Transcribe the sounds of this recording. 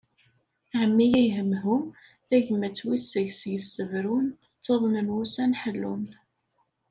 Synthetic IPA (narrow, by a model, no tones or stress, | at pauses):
ʕəmːijæjɦəmːɦum | θæʝmæt͡sːwisəʝsjəsːəvɾun | t͡sːɑðˤnənwusænħəlːṵn